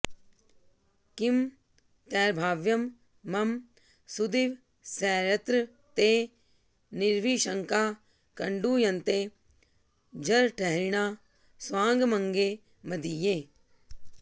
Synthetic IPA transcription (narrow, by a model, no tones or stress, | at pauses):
kɪm | t̪ɛːɾbʱaːʋjɐmː | ɐm | sud̪iʋ | sɛːɾɐt̪ɾə | t̪eː | nɪɾʋiːʃəŋkaː | kɐɳɖuːjɐnt̪eː | d͡ʒɐɾʈʰɛɦɾɪɳ̃aː | sʋãːŋɡmɐ̃ŋɡeː | mɐd̪ijeː